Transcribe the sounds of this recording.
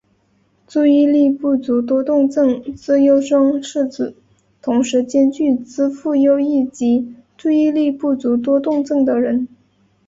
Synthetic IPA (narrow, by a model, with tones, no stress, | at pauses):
t͡su˥˧i˥˧li˥˧pu˥˩t͡su˧˥t̪̬wɔ˥t̪ʊ˥˧ŋt͡sɤ˥˩ŋt͡sɹ̩˥jo˥ʊʂɤ˥ŋʂɻ̩˥˩t͡sɹ̩˨˩˦ | t̪ʰʊ˧˥ŋʂɻ̩˧˥t͡ɕjɛ˥nt͡ɕy˥˩t͡sɹ̩˥fu˥˩jo˥ʊi˥˩t͡ɕi˧˥t͡su˥˧i˥˧li˥˧pu˥˩t͡su˧˥t̪̬wɔ˥t̪ʊ˥˧ŋt͡sɤ˥˩ŋd̪ə˩ɻə˧˥n